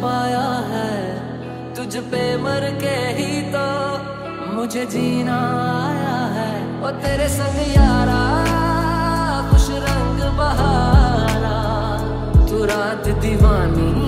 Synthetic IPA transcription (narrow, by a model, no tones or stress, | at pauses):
paːjaɦɛː | t̪ʊd͡ʒpeːməɾkeɦit̪oː | mʊd͡ʒʱed͡ʒiːnaːjaɦɛːɔːɾt̪eːɾesə̃ŋjaːɾaː | kʊʃʰɾə̃ŋɡbəɦaːɾaː | t̪uːɾaːt̪d̪ɪʋaːniː